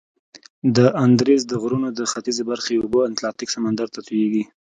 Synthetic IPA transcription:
d̪əʔand̪ɾezd̪əɣɾunod̪əxat̪izebaɾxeoboant̪lɑt̪iksamand̪aɾt̪at̪ujeɡi

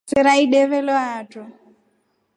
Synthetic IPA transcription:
iɾaiɗɛβɛlɔatɔ

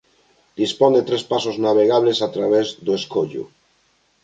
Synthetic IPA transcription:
d̪ispond̪et̪ɾespasoznaβ̞eɣ̞aβlesat̪ɾaβ̞ezdoeskoʎṵ

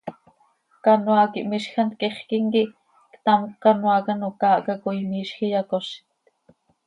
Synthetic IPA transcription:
kanwɑkiʔmiʃxant̪̚kiχkiŋkiʔ | kt̪amkːɑnwɑkanokaːʔkakuimiːʃxijɑkoʃt̪

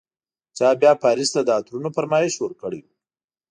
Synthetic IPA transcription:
t͡ʃɑbjɑpɑɾist̪ad̪əat̪ɾunofaɾmɑɪʃwəɾkəɽi

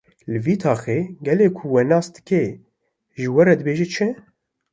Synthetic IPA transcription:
lɨviːt̪ʰɑːxeːɡɛleːkʰʊwɛnɑːsd̪ɨ̥kɛ | ʒɨwɛɾɛd̪ɨbeːʒɛt͡ʃʰɨ

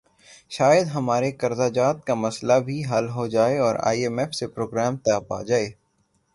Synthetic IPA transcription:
ʃaːjəd̪ɦɐmaːɾekɐɾzaːd͡ʒaːt̪̚kamɐslabʱiɦɐlɦod͡ʒaːeɔːɾa̰ːiemɛːfsepɾoːɡɾɛːmt̪ɛpa̰ːd͡ʒaːeː

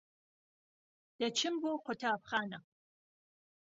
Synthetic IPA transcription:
d̥ɐt͡ʃʰɪmboqʷʊtʰɐːpχaːnɐ

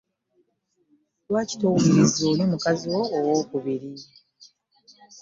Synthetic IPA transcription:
lwaːci̥towumuiziolimukaziwo̞ːwo̞ːkuβiɾi

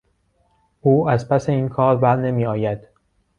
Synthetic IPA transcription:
ʔuːæzpʰæse̞iːnkʰɒːɾbæɾne̞miːɒːjæd̪̥

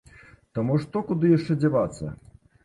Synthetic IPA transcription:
t̪ɐmuʂt̪ɔkud̪ɨjaʂt͡ʂɛd͡zʲavat̪sːɐ̰

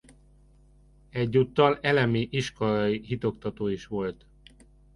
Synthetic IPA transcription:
ɛɟːut̪ːɒlɛlɛmiʔiʃko̞lɒjihit̪o̞kt̪ɒt̪oːiʃʋo̞lt̪

